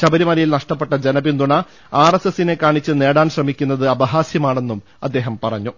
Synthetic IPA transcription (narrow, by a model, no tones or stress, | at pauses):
ɕɐbɐɾimɐlɐjilnɐʂʈɐpːe̞ʈːɐd͡ʑenɐbind̪uɳɐ | aːresesine̞kaːɳit͡ɕːɨne̞ːɽaːnɕrɐmikʲːunːɐðɨɐbɐɦaːsjɐmaːɳe̞nːum | ɐ̰d̪ːe̞ːɦɐmpɐrɐɲːu